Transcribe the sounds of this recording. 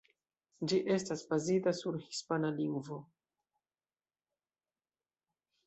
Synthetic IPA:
d͡ʒiʔe̞stasbazitasuɾhispanaliŋɡvo̞

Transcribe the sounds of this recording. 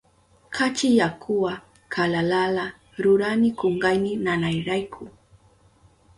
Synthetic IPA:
kʰat͡ʃɪjakʰʊwa | kʰalalala | ɾʊɾanɪkoɴɢajnɪnanajɾajkʰʊ

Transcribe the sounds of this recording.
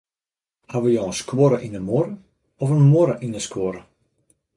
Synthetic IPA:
haʋəjɔəskwoɾəʔinəmoɾə | ɔfənmoɾəʔinəskwoɾə

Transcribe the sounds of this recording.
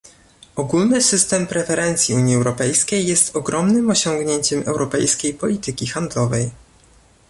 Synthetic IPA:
ɔɡulnɘsɘst̪ɛmpɾɛfɛɾɛnt̪sʲjiuɲiɛwɾɔpɛjskʲejːɛst̪ɔɡɾɔmnɘmɔɕɔŋɡɲeɲt͡ɕɛmʔɛ̰wɾɔpɛjskʲejpɔlʲit̪ɘkʲixand̪lɔvɛj

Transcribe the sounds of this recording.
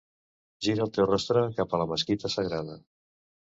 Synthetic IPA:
ʒiɾəːlˠt̪ewrɔst̪ɾəkapələməskit̪əsəɣɾaðə

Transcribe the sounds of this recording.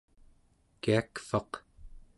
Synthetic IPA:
kiakfɑq

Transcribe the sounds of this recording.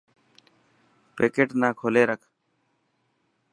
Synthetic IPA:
keːkeːʈnaːkʰoːleːɾəkʰ

